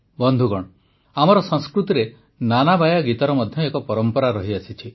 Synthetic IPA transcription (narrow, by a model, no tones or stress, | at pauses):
bɔnd̪ʱuɡɔɽ̃ɔ | amɔɾɔsɔŋskɾut̪iɾe | nanabajaɡit̪ɔɾɔmɔd̪ʱjɔekɔpɔɾɔmpɔɾaɾɔɦiasit͡ʃʰi